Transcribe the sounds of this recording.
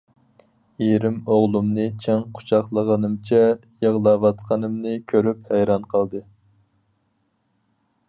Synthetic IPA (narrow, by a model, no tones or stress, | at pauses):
eɾɪmoʁlˠumnɨt͡ʃʰɛŋqʰʊ̥t͡ʃʰɑχlˠəʁənɨmt͡ʃʰɛ | jəʁlˠɑwɑt̪qʰɑnɨmnɨkʲʰøɾyp̚hɛjɾɑnqʰəlˠd̪ɨ